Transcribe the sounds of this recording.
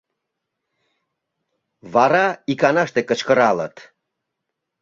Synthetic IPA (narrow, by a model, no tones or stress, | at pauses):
βɑɾɑikɑnɑʃt̪ekət͡ɕkəɾɑlə̰t̪